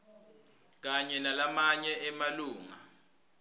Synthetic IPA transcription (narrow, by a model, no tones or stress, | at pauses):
k̬aɲɛnalamaɲɛʔɛmaluːŋa̰